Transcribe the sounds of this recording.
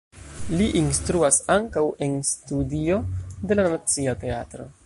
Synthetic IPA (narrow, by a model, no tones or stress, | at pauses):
liʔinstɾuasaŋkawʔe̞nstudio̞de̞lanat͡siate̞a̰tɾo̞̰